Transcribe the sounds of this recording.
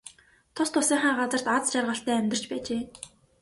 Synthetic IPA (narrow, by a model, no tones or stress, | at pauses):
t̪ʰʊst̪ʰʊsiːŋχaːɢat͡sə̆r̥t̪at͡st͡ɕarʁə̆ɬt̪æːæmʲt̪ɪ̆r̥t͡ɕpæːt͡ɕeː